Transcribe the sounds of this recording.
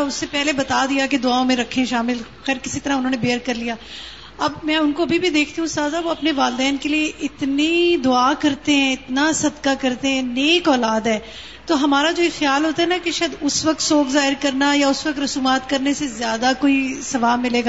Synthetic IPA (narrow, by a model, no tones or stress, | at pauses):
ʊsːepɛɦlebɐt̪aːd̪ijaked̪ʊaːõmẽɾɐkʰːẽʃaːmɪlxɛːɾkɪsit̪ɐɾaʊnɦõːnebeːəɾkɐɾlijaː | ɐbmɛ̃ʊnkoɐbʱibʱid̪eːkʰt̪iɦũst̪aːzaːʋoɐpneʋaːld̪ɛːnkelieʔɪt̪nid̪ʊaːkɐɾt̪eɦɛ̃ɪt̪nasɐd̪kakɐɾt̪eɦɛ̃neːkɔːlaːd̪ɦɛː | t̪oːɦɐmaːɾad͡ʒoːexjaːlɦoːt̪aɦɛnakeʃad̪ʊsʋɐk̚t̪soːkzaːɦɪɾkɐɾnajaʊsʋɐk̚t̪ɾɐsuːmaːt̪kɐɾnesezjaːd̪akoːisɐʋaːmɪleːɡaː